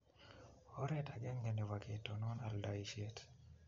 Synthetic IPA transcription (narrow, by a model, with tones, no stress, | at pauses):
ɔ˦ɾɛta˨ɡɛ˦ŋɡɛ˨ni˨wakʰe˨tɔnɔ˦na˨ldaiʃɛt